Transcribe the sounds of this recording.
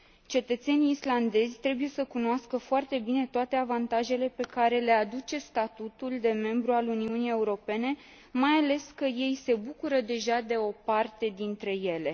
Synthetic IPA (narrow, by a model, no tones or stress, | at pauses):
t͡ʃe̞t̪ət̪se̞niːsland̪e̞zʲt̪ɾe̞buje̞səkunoaskəfoart̪e̞bine̞t̪oat̪e̞avant̪aʒe̞le̞pe̞kaɾe̞le̞ad̪ut͡ʃe̞st̪at̪ut̪uld̪e̞me̞mbɾualuniunije̞uɾo̞pe̞ne̞ | majale̞skəje̞jse̞bukuɾəd̪e̞ʒad̪e̞o̞part̪e̞d̪int̪ɾe̞je̞le̞